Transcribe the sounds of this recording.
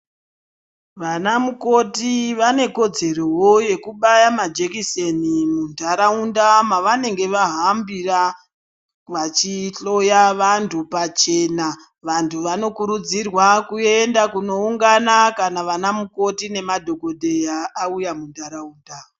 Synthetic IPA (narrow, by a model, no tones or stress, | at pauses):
ʋanamuko̞tiʋane̞ko̞d͡ze̞rowoje̞kuɓajamad͡ʒekisenimundaɾaundamaʋane̞ŋɡe̞ʋaɦambira | ʋat͡ʃiɬo̞jaʋantʰupat͡ʃe̞na | ʋantʰuʋano̞kuɾud͡zirwakuendakuno̞uŋɡanakanaʋanamuko̞tine̞madʱo̞ko̞dʱejaːujamundaɾauːnda